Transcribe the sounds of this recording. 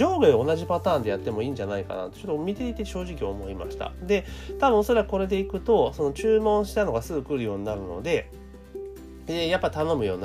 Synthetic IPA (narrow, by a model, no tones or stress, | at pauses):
o̞ːɡɯeo̞naʑipat̪aːnd̪e̞jat̪ːe̞mo̞iːɲd͡ʑanaika̰na̰t̪ot͡ɕot̪ːomʲit̪e̞it̪e̞ɕo̞ːʑikʲiomo̞ima̰ɕi̥t̪a̰d̪e̞t̪abɯ̃o̞so̞ɾakɯ̟ko̞ɾe̞d̪e̞ikɯ̟t̪o̞so̞no̞t͡ɕɨːmõ̞ɰ̃ɕi̥t̪ano̞ɡasɨɡɯ̟kɯ̟ɾɯ̟jo̞ːɲ̟inaɾɯ̟no̞̰d̪e̞ | eːjapːait̪ano̞mɯ̟jo̞̰ːn